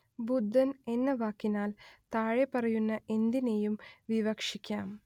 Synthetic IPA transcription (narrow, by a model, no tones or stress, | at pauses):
bud̪ʱːɐne̞nːɐʋaːkːinaːlt̪aːɻepɐrɐjunːɐʔe̞nd̪inejumʋiʋɐkʂikʲːaːm